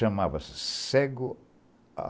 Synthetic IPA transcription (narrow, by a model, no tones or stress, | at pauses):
ɐmavɐsɪ̥sɛɡʊ | a̰